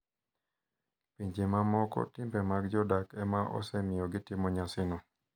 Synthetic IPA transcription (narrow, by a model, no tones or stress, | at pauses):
piɲd͡ʒemamɔkɔ̰tɪmbɛmaɡd͡ʒɔdakɛmaʔɔ̰sɛmɪjɔɡɪtɪmɔɲasɪnɔ